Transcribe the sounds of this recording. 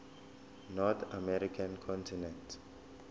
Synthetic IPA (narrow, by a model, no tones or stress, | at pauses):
nɔt̪ʰamɛɾikʰãnkʰɔ̃ntʰinɛ̃nt